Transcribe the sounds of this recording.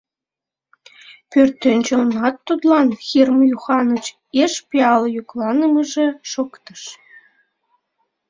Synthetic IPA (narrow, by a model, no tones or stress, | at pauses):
pørt̪ːĕnʲt͡ɕĕonɑt̪ːud̪lˠɑnxirmjuxɑnət͡ɕ | eʃpʲeɑljuklɑnə̆məʒeʃokt̪ə̆ʃ